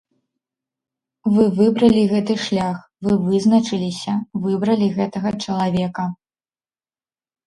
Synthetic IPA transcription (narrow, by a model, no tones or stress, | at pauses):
vɨvɨbɾɐlʲiɣɛt̪ɨʂlʲax | vɨvɨzn̪ɐt͡ʂɨlʲisʲɐvɨbɾɐlʲiɣɛt̪ɐɣɐt͡ʂɐlˠavʲɛkɐ